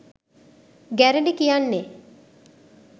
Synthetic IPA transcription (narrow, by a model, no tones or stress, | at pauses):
ɡæɾeɳɖekijanːe